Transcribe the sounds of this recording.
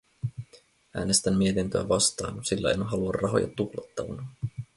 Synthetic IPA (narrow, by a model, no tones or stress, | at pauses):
ʔæːne̞st̪æmːie̞t̪int̪øæʋɑst̪ɑːnsilːæenɦɑluɑrrːɑɦo̞̰jʔɑ̰t̪uxlɑt̪ːɑʋɑnɑ